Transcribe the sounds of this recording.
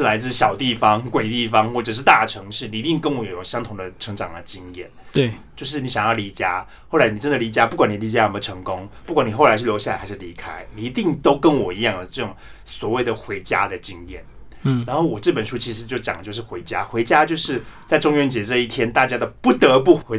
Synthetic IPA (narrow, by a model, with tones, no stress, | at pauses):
la˧˥ɪt͡sɹ̩˥˩ɕjɑ˨˩ʊt̪i˥˩fɑ˦ŋkwe˨˩ɪt̪i˥˩fɑ˧˥ŋxwɔ˥˩ʈ͡ʂɤ˨˩ʂ̬ɻ̩˥˧t̪a˥˩ʈ͡ʂʰɤ˧˥ŋʂɻ̩˥˩ni˨i˧˥t̪i˥˩ŋkə˦˥nwɔ˧˦jjo˨˩ɕjɑ˥ŋt̪ʰʊ˨˩ŋd̪ə˦˩ʈ͡ʂʰɤ˧˥ŋʈ͡ʂɑ̰˨˩ŋd̪ə˦t͡ɕi˥ŋjɛ̰˥˩n˩t͡ɕjo˥˧ʊʂɻ̩˥˩ni˧˥ɕjɑ˨˩ŋjɑ˥˩ʊli˧˥t͡ɕja̰˥ | xo˥˩la˧ɪni˨˩ʈ͡ʂə˦nd̪ə˨li˧˥t͡ɕja˦˥pu˥˩kwa˨˦n˨˩li˧˥t͡ɕja˥˩ə˨˩mə˩ʈ͡ʂʰɤ˧˥ŋkʊ˥ŋpu˥˩kwa˨˦ni˨˩xo˥˩ʊa˧˥ɪʂɻ̩˥˩jo˧˥ɕa˥˩la˧˦xa˧ɪʂ̩˥˩li˧˥kʰa˥ɪni˨˩i˧˥t̪i˥˩ŋt̪o˥ʊkə˥nwɔ˨˩i˧˥jɑ˥˩ŋd̪ə˩ʈ͡ʂɤ˥˩ʈ͡ʂʊ˨˩ŋswɔ˨˩we˥˩ɪd̪ə˩xwe˧˥ɪt͡ɕja̰˥d̪ə˨t͡ɕi˦˥ŋjɛ̰˥˩n˥ | ɻa˧˥nxo˥˩ʊwɔ˨˩ʈ͡ʂɤ˥˩pə˨˩nʂu˥t͡ɕʰi˧˥ʂɻ̩˧˩t͡ɕjo˥˩ʊt͡ɕjɑ˨˩ŋlə˦jo˥˧ʊʂɻ̩˥˩xwe˧˥ɪt͡ɕja̰˥xwe˧˥ɪt͡ɕja˥t͡ɕjo˥˧ʊʂɻ̩˥˧t͡sa˥˧ɪʈ͡ʂʊ˥ŋɥɛ˥˧nt͡ɕjɛ˧˥ʈ͡ʂɤ˥˧i˥˩t̪ʰjɛ˥nt̪a˥˩t͡ɕja˥d̪ə˨˩pu˥˩t̪ə˧˦p̬u˥˩˧